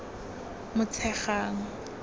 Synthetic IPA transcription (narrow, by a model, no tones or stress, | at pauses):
mʊt͡sʰɛχaːŋ̩